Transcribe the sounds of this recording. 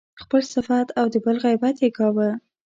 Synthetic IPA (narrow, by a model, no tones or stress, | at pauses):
xpəlsɪfat̪ʰawd̪əbəlɣajbat̪jeɡɑwəl